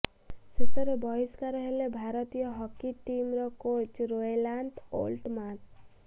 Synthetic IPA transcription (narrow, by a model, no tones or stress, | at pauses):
sesʌɾebʌiskaɾʌɦelebʱaɾʌt̪ijʌɦʌkiʈimrʌkot͡ʃɾoelaɳʈo̰lʈmat